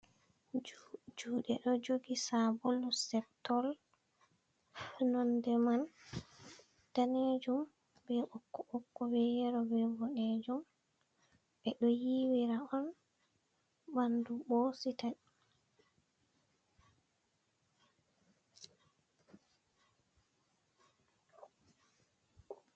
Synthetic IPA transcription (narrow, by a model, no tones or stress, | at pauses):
d͡ʒuːɗɛɗɔd͡ʒoɡisabolːusɛptɔl | funɔndɛman | taned͡ʒum | bɛɔkːɔʔɔkːɔwɛjɛɾɔbɛbɔɗed͡ʒum | bɛɗɔjiwiɾaɔn | bandubosita